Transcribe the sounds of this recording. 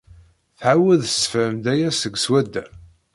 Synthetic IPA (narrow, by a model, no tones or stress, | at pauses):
θʕawəðsfæmd̪æjæsəɡswæd̪ːæ